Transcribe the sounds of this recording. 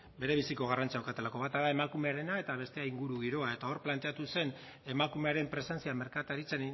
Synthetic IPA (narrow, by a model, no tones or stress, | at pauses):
be̞ɾe̞β̞isiko̞ɣ̞arant͡saawkat̪e̞lako̞βat̪aðaemakume̞aɾe̞nae̞t̪aβ̞e̞st̪e̞aiŋɡuɾuɣiɾo̞ae̞t̪ao̞ɾplant̪e̞at̪use̞n | e̞makume̞aɾe̞mpɾe̞se̞nt͡siame̞ɾkat̪aɾit͡sen